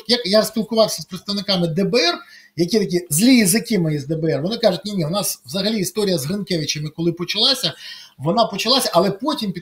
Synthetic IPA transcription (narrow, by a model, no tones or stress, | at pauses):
jɐkjasʲpʲilˠkʊʋɑwsʲɐspɾɪt̪st̪ɐʋnɪkɑmɪd̪ɛbɛɛrjɐkʲit̪ɐkʲizʲlʲijizɪkɪmɐjizd̪ɛbɛɛrʋɔnɪkɑʐʊt̚ʲnʲinʲiʊnɑsʋzɐɦɐlʲiːst̪ɔɾʲijɐzɦɪnkɛʋʲɪt͡ʃemɪkɔlˠɪpɔt͡ʃɐlˠɑsʲɐʋɔnɑpɔt͡ʃɐlˠɑsʲɐʔɐlˠɛpɔtʲimpʲi